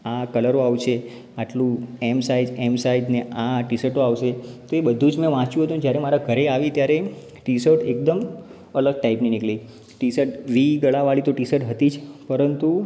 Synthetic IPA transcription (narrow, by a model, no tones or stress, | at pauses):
akələɾoaʋʃe | aʈlũɛmsaid͡ʒɛmsaid̪neʔaʈisəʈoaʋʃet̪oebəd̪ʱũd͡ʒmɛ̃ʋãt͡ʃũɦət̪uned͡ʒjaɾemaɾaɡʱəɾeaʋit̪jaɾe | ʈisəʈek̚d̪əm | ələɡ̚ʈaipninikɭi | ʈisəʈʋiɡəɭaʋaɭit̪oʈisəʈɦət̪id͡ʒʰpəɾənt̪u